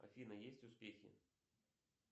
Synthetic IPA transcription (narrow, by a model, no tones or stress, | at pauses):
ɐ̰fʲinɐjesʲt͡sʲuspʲexʲḭ